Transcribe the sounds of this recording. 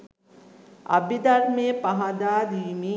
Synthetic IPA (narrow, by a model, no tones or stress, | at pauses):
a̰bid̪ɐɾmejəpaɦad̪aːd̪iːmi